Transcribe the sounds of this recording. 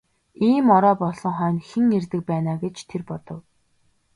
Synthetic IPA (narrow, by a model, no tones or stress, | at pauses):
iːmɔɾɔːpɔɮɞ̆ŋχœːnxĕŋert̪ɘ̆k̚pæːnaːɡet͡ɕt̪ʰerpɔt̪ɞ̆w